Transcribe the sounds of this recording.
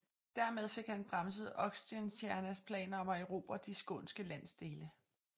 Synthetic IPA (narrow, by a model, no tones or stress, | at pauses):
d̥æɐmeð̞ˠfe̝ɡ̥hænb̥ʁɑ̈ms̬əð̩ˠɒ̽ɡ̥sd̥iænsjæɐnæspʰlɛ̰ːnɐɒ̽meʊʁo̝̰ːb̥ɐd̥isɡ̥ɔ̰nsɡ̥əlæn̰sd̥e̝ːlə